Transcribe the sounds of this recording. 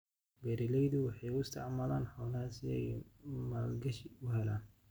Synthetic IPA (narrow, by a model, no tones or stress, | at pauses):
bɛɾɪlɛjðʊwɑħɑjʊɪst̪ʰɑʕmalaːnhɐwnɐhaːsɪjɐ̰jmalɡɐʃʊɦɛlaːn